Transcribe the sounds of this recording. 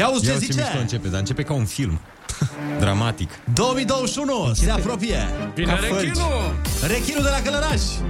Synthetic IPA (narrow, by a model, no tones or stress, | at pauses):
awuseziet͡ʃɐɐɨnt͡ʃeped̪aɨnt͡ʃepekaunfilm | d̪ɾamat̪ikd̪omid̪oʃunoseapɾopiɐafɐit͡ʃɾurekiɾud̪elakɐlɐɾaʃ